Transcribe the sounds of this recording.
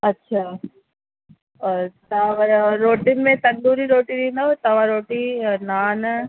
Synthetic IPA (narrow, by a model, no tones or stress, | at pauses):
ɐtːʃʰaː | t̪aʋɾoːʈɪnmẽt̪ɐ̃nd̪uːɾiɾoːʈiɗĩːnd̪aot̪ɐʋaɾoːʈinaːn